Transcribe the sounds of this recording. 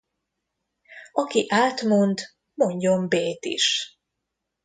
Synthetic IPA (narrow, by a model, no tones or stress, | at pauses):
ɒkiʔaːt̪mo̞nt̪ | mo̞ɲɟo̞mbeːt̪ḭʃ